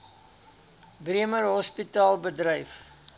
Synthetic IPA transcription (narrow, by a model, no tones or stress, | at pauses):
briəmərɦɔspitɑːlˠbədrəjf